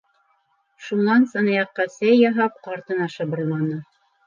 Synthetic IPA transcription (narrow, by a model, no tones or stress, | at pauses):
ʃunɑnsɤ̆nɑjɑqːɑsæjːɑɦɑp̚qɑɾt̪ɤ̆nɑʃɤ̆bɤ̆ɾllˠɑnɤ